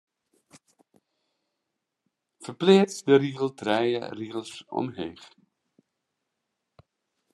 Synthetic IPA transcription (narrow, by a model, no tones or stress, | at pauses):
fərplɪːt͡sdəriɣəlˠtrɛjə̰riɣəlˠsɔ̰mɦeːχ